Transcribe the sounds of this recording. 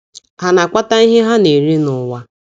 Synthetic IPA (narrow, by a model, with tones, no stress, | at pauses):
ha˨na˨kʷa˦ta˦i˦ɦɪ˦ɦa˦ne˨ɾi˦nʊ˨wa˦